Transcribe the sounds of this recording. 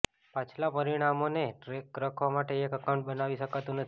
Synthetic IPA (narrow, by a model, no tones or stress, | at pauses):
pat͡ʃʰlapəɾiɽ̃amoneʈɾekɾəkʰʋamaʈeːkəkaw̃ɳʈ̚bənaʋiʃəkat̪ũnət̪ʰ